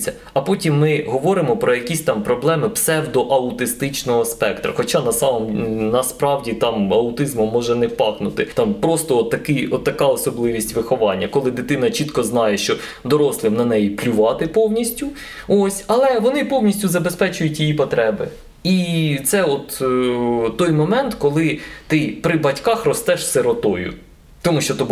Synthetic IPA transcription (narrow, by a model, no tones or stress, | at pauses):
t͡sʲːɐ | ɐpɔtʲimːɪɦɔʋɔɾɪmɔpɾɔjɐkʲisʲt̪ɑmpɾɔblˠɛmɪpsɛwd̪ɔʔɐʊt̪ɪst̪ɪt͡ʃnɔɦɔspɛkt̪ɾɐ̰xɔt͡ʃɑnɐsɑmɔmnɐspɾɑwdʲit̪ɑmɐʊt̪ɪzmʊmːɔʒɛnɛwpɑknʊt̪ɪt̪ɑmpɾɔst̪ɔɔt̪ːɐkɪɔt̪ːɐkɑɔsɔblˠɪʋʲisʲtʲʋɪxɔʋɑnʲːɐkɔlˠɪd̪ɪt̪ɪnɐt͡ʃit̪kɔznɑjɛʃt͡ʃɔ | d̪ɔɾɔslˠɪmnɐnɛjiplʲʊʋɑt̪ɪpɔwnʲisʲtʲʊ | osʲɐlˠɛʋɔnɪpɔwnʲisʲtʲʊzɐbespɛt͡ʃʊjʊtʲjijipɔt̪ɾɛbɪ | it̪sɛɔt̪ | t̪ːɔjmɔmɛnt̪kɔlˠɪt̪ɪpɾɪbɐtʲkɑxrɔst̪ɛʃseɾɔt̪ɔjʊ̰ | t̪ɔmuʃt͡ʃɔt̪ɔb